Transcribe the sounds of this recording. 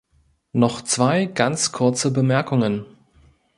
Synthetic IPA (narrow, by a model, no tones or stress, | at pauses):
nɔχt͡sv̥aɪɡant͡skʰʊɐt͡səbəmɛɐkʰʊŋən